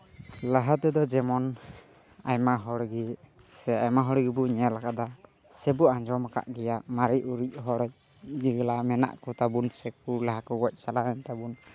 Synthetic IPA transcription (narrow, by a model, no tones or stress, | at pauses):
laɦat̪ɛd̪ɔd͡ʒɛmɔn | ajmaɦɔɽɡi | sɛajmaɦɔɽɡibuɲɛalakad̪a | sɛbuãɲd͡ʒɔmka̰ʔɡɛjaʔmaɾiuɾic̚ˀɦɔɽɔj | d͡ʒiɡlamɛna̰ʔkɔt̪abunsɛk̚ulaɦakɔɡɔc̚ˀsalaɛnt̪abun